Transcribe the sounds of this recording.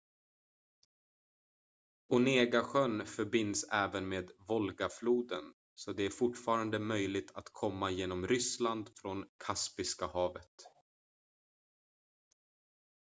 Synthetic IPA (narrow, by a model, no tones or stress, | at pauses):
ʊneːɡaɧœnfœɾbɪnd̪sɛːvənmeːd̪vɔlɡafluːd̪ən | sɔd̪ɛæɾfʊʈfɑːɾand̪əmœjlɪɡ̚t̪ʰat̪kʰɔmːajeːnɔmɾʏsland̪fɾɔnkʰaspɪskahɑːvət̪